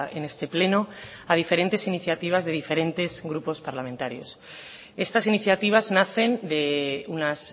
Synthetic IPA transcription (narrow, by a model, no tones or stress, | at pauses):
ene̞st̪e̞ple̞no | að̞ife̞ɾe̞nt̪e̞siniθjat̪iβ̞azðe̞ðife̞ɾe̞nt̪e̞zɣɾupo̞spaɾlamẽnt̪aɾjo̞̰s | e̞st̪asiniθjat̪iβ̞aznaθe̞nd̪e̞unas